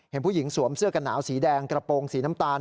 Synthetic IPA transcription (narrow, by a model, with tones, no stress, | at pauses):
he˩˦npʰuː˥˩ji˩˦ŋsu˨˩˦əmsɯ˥˩əka˧nːaː˩˦wsiː˩˦dɛː˧ŋkɾa˧poː˧ŋsiː˩˦na˦˥mt̪aː˧n